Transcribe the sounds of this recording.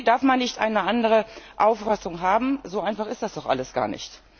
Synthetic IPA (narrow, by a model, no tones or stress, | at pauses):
daɐfmanːɪçtʔa̰ɪnəʔandəʁəʔaʊfasʊŋɦaːbm̩zoːʔaɪnfaχɪstd̥asd̥ɔχʔa̰ləsɡ̥a̰ːɐnɪ̰çt